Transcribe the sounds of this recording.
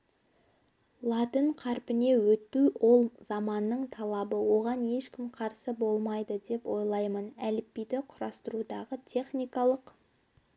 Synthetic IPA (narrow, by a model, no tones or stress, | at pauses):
lˠɑt̪əɴqʰɑɾpɪne̞wɵt̪ːuwʔo̞lˠz̥ɑmɑnːəɴt̪ʰɑlˠɑbəwo̞ʁɑne̞ʃkʲɪmqʰɑɾsəbo̞lˠmɑjd̪əd̪e̞pwo̞jlˠɑjmənælɪpːijd̪ɪqʰʊɾɑst̪əɾud̪ɑʁət̪ʲʰe̞χnijkɑlˠəq